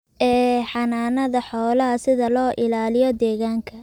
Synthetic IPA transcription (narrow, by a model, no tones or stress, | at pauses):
ʔɛːħɑnaːnɐðɐħɔːlɐɦɐsɪðɐlɔːʔɪlaːlɪjɔd̪ɛːɣaːŋkʰɐ